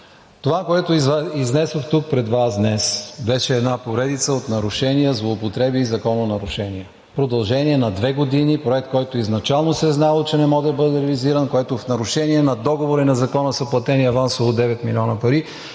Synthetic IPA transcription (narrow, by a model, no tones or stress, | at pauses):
t̪ovakoɛt̪oiiznɛsoxt̪uk̚pɾɛd̪vasd̪nɛsbɛʃɛːd̪napoɾɛd̪it̪səot̪nɐɾʊʃɛnijəzlˠoːpot̪ɾɛbiːzɐkɔnonɐɾʊʃɛniɛ | pɾod̪ɐlˠʒɛniɛnɐd̪vɛɡod̪inipɾoɛk̚t̪̚kɔjt̪oiznɐt͡ʃalˠnosɛznalˠot͡ʃɛnɛmɔʒɛbɤd̪ɛɾɛviziɾənkoɛt̪ofnɐɾʊʃɛniɛnɐd̪ɔɡovoɾinɐzɐkɔnəsəplˠɐt̪ɛniɐvansolˠod̪ɛvɛt̪milʲɔnəpɐɾi